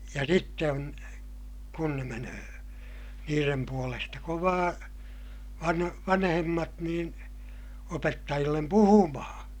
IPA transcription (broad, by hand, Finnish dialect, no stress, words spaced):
jɑ sitːe on kun ne menøː niːrem puolestɑ koʋɑː ʋɑn ʋɑnhemːɑt niːn opetːɑjilːem puhumɑhɑ̃ː